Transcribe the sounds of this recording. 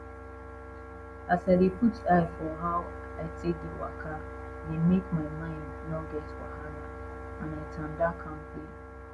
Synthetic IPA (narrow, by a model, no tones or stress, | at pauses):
asaɾeputaɪfɔɦaʊ | aɪtek̚dewa̰kʰa | nemekmaɪmãɪ̃ndnɔɡɛtwa̰ɦaɾa | ãnaɪtʰãn̩dakʰaŋ̩ke